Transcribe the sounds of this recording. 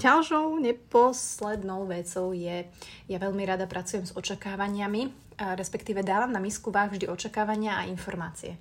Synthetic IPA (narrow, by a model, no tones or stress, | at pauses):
ɟalʃɔʊɲɛpɔslɛd̪nɔʊʋɛt͡sɔʊjɛ | jaʋɛʎmiɾad̪apɾʔat͡sujɛmzɔt͡ʃakaːʋaɲɪami | ɾɛspɛkt̪iːʋɛd̪aːʋamnamiskuʋaːɣvʒd̪iʔɔt͡ʃakaːʋaɲɪaainfɔɾmaːt͡siɛ